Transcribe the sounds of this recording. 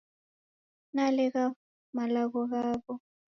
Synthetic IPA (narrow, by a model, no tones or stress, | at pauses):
nalɛɣa | malaɣɔɣaːβɔ